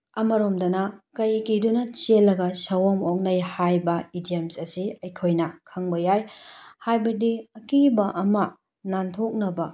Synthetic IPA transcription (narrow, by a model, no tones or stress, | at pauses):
ɐmɐɾomdɐnɐkɐjkidunɐt͡ʃelːɐɡɐsɐwomok̚nɐjhajbɐidiemsɐsiɐjkʰojnɐkʰɐŋbɐjajhajbɐdiɐkibɐʔɐmɐ | nantʰok̚nɐbɐ